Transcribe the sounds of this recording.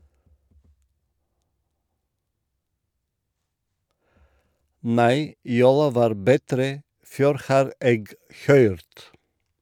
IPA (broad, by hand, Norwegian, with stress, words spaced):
ˈnæɪ ˈjuːlɑ ˈʋɑːɾ bəˈtɾeː ˈføːɾ ˈhɑːɾ ˈeːɡ ˈhœʏɾt